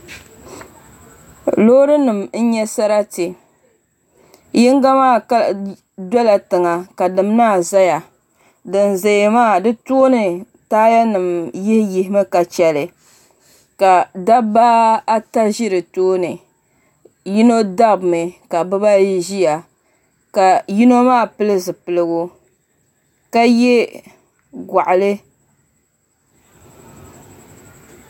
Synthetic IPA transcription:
loː˦ɾɨ˦nɨ˨mn̩˦ɲɛ˦sa˦ɾa˦tɨ˨ | ji˦ŋɡa˦maː˦˨ka˦ | dɔ˦la˨tɨ˨ŋa˨ka˨dɨ˨m˦naː˦˨za˦ja˨ | dɨ˨n˨za˨jmaː˦˨dɨ˦to˦nɨ˨ | taː˦ja˦nɨ˨mji˦hji˨hɪ˦mɨ˦ka˨t͡ʃɛ˨lɨ˨ | ka˨da˦ba˦a˦ta˦ʒi˦ɾɨ˨toː˦nɨ˨ | ji˦no˦da˦bmɨ˨ka˨bɨ˦ba˦i˦ʒi˦ja˨ | ka˨ji˦no˦maː˦˨pɨ˦lɨ˦zɨ˨pɨ˨lɨ˨ɡʊ˦ | ka˦jɛ˦ | ɡʷa˨ʔʊ˨lɨ˦

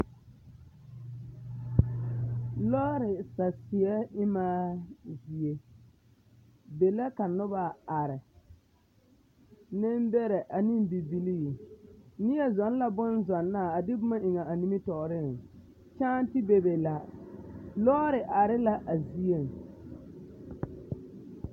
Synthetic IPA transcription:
lɔː˦ɾɪ˨sa˨sɪ˨ɛ˦ɪ˦maː˦zi˨e˦ | be˨la˦ka˨nʊ˦ba˨a˨ɾɪ˨ | nɪ˦mbɛ˦ɾɛ˨ʔa˨nɪ˦mbi˨bi˨li˦i˨nɪ˦ɛ˨zɔ˨˦n˦la˦bʊ˦nzɔ˨nːa˦˨a˨dɪ˦bʊ˦ma˦ʔɪ˨ŋa˨ʔa˨ni˦mi˦tɔ˨ʔɾɪ˦˨ŋ | t͡ʃaː˦n˦tɪ˦be˨be˨la˨ | lɔː˦ɾɪ˨ʔa˨ɾɪ˦la˦ʔa˨zi˦e˦˨ŋ˨

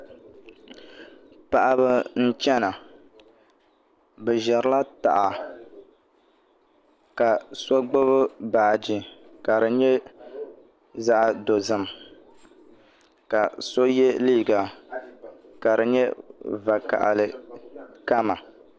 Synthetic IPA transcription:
pa˨ʔa˨bɨ˦n̩˦t͡ʃɛ˦na˨ | bɨ˨ʒɛ˨ɾɨ˦la˦ta̰˨ʔa˨ | ka˨so˦ɡ͡bo˦βɨ˦baː˨d͡ʒi˨ka˨ɾɨ˨ɲɛ˦ | za˦ʔa˦˨do˨zɨ˨m | ka˨so˦jɛ˦liː˦˨ɡa˨ | ka˨ɾɨ˨ɲɛ˦va˨ka̰˨ʔa̰˨lɨ˨ | ka˦ma˨

